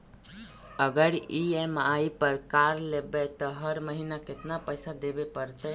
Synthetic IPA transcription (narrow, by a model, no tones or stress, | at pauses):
əɡəɾiemaipəɾkaɾlebet̪ɔɦəɾməɦinakɪt̪napəjsad̪ebepəɾt̪ə